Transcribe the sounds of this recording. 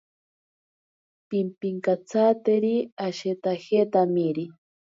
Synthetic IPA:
pimpiŋkat͡sʰat̪eɾiaʃet̪axet̪amiɾi

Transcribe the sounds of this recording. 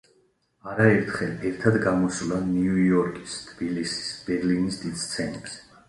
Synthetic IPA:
aɾaɛɾt̪ʰχɛlɛɾt̪ʰad̪ɡamɔslaniujɔɾkʼi̥st̪ʰb̥ilisi̥sb̥ɛɾlinisd̪id̪st̪sʰɛnɛbs

